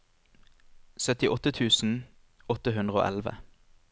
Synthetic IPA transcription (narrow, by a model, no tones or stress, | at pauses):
sœt̪ɪʔɔt̪ət̪ʰʉːsn̩ | ɔt̪əɦʉnd̪ʁəo̰ːʔɛ̰lʋə̰